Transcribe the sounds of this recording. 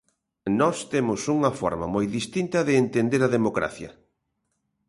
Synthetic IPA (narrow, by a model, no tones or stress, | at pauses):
nɔst̪emʊsuŋɐfɔ̰ɾmɐ̰mojðist̪int̪ɐðɪːnt̪end̪eɾɐðemokɾa̰θjɐ̰